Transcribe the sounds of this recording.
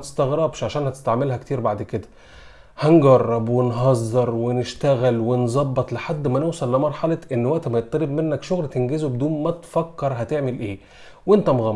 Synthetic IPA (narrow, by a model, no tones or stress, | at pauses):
t̪e̥st̪ɑɣɾɑbʃʕaʃæːnhæt̪e̥st̪aʕmelhækt̪iːɾbaʕd̪ked̪æ̥ | hænɡɑrˤːɑbwenɦɑzˤːɑɾˤweneʃt̪æɣælwenzˤɑbːɑt̪ˤleħad̪ːmænowsˤɑlːɪmɑɾˤħɑlɑʔenːwæʔt̪æmæjet̪ˤːɑlebmenːækʃoɣlt̪enɡezobed̪uːnmæt̪fækːɑɾˤɦæt̪eʕmelʔeː | went̪æmoɣɑ